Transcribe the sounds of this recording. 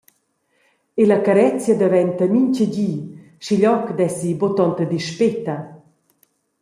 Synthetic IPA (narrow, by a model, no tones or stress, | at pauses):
elakaɾɛt͡sjad̪avɛnt̪amiɲcəɟiː | ʃiʎɔkd̪ɛsibot̪ɔnt̪əd̪iʃpet̪ɐ